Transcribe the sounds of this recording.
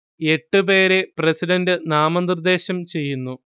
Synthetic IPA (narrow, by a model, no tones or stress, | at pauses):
e̞ʈːɨpe̞ːɾe̞prɐsiɖɐndɨnaːmɐnd̪ɨrd̪e̞ːɕɐmt͡ɕe̞jːunːu